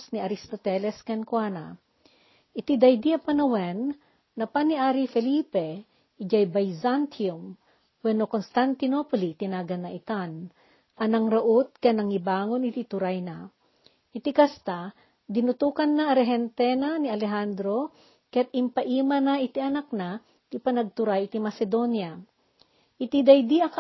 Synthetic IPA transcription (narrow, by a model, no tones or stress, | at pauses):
sniɐɾist̪ot̪ɛlɛskɐnkwana̰ | ʔɪt̪id̪ɐjd̪iɐpɐnɐwɛnː | ɐpaniʔaːɾifɛliːpɛ | d͡ʒajbajzant̪ʰium | wɛnokonst̪ant̪ɪnopolit̪ɪnaːɡɐnːɐʔɪt̪an | ʔɐnɐŋɾɐʔot̪̚kɐnɐŋɪbaːŋo̞nɪt̪it̪ʊɾajna | ʔɪt̪ikɐst̪a | d̪ɪnʊt̪uːkɐnːaɐɾɛɦɛnt̪ɛnaniɐlɛɦand̪ɾo̞ | kɐjat̪̚ʔɪmpɐʔiːmɐnɐʔɪt̪iʔɐnak̚na | t̪ipɐnɐɡ̚t̪ʊɾajɪt̪imɐsɛd̪o̞njɐ | ʔɪt̪id̪ɐjd̪iɐ